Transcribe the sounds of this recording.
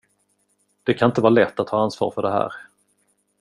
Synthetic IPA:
d̪̥ɛkʰanɪnt̪əvɑːlɛt̪ːat̪ʰːɑːansvɑ̰ːɾfœɖɛɦæ̰ːɾ

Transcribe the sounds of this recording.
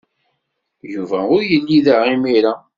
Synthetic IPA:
juvæʊɾjəlːiðaʁimiɾa

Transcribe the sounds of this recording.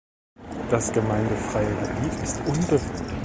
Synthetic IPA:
d̥asɡ̥əmaɪndəfʁ̥aɪəɡəbiːtʰɪstʔʊnbə

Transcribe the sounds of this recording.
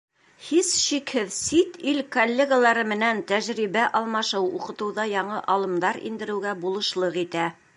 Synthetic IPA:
hisʃikhɘðsit̪ilkolʲːeɡalˠɑɾɤmɘ̆nænt̪æʑɾiβæʔɑlˠmɑʃɤwṵqɤ̆t̪ɤ̆wðɑjɑɴɤʔɑlˠɤ̆md̪ɑɾḭnd̪ɘ̆ɾɘ̆wɡæbulˠɤ̆ʃlˠɤqit̪æ

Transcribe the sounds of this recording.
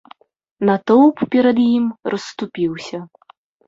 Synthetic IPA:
nɐt̪ɔwppʲɛɾɐd̪jimrɐsːt̪upʲiwsʲɐ

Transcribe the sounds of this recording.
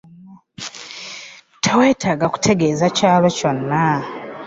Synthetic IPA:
tʰewe̞ːtʰaɡaku̥tʰe̞ɡe̞ːzacaːβeco̞nːa

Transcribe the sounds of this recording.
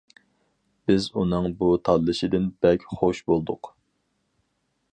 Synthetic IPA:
b̥ɪzunɨŋbut̪ʰɑd̪lˠɨʃɪd̪ɪnbɛkʲχoʃbolˠd̪ʊq

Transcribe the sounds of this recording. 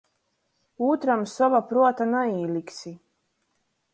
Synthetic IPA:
uːt̪ɾamsɔvapɾuɔt̪anaiːlʲˠiksi

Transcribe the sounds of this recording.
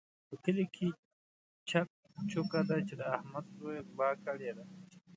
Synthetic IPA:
pəkəlekʰe | t͡ʃak̚ | t͡ʃʊkad̪at͡ʃed̪əahmad̪zojbɑkəɽed̪a

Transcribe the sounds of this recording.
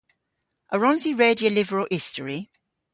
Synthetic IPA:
ʔəɹɒ̃nziɹeːdiəʊlɪvəɹəlʔɪstʰəɹi

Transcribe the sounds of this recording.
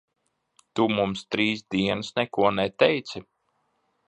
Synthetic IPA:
t̪umumst̪ɾiːsd̪iɛnsnɛkuɔnɛt̪ɛjt̪sʲi

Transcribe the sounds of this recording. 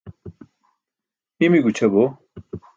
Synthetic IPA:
imiɡut͡ɕʰɐbo

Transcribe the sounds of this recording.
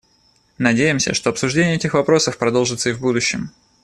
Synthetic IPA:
nɐdʲejɪmsʲə̰ʂt̪o̞ɐpsʊʐdʲenʲɪjəɛtʲɪxvɐpɾo̞səfpɾɐd̪o̞lˠʐɨt̪səivbud̪ʊɕːɪ̰m

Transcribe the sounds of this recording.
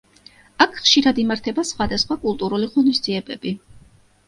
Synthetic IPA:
akʰχʃiɾad̪imaɾt̪ʰɛbasχwad̪asχwakʼulˠt̪ʼuɾuliʁɔnisd̪z̥iɛbɛbi

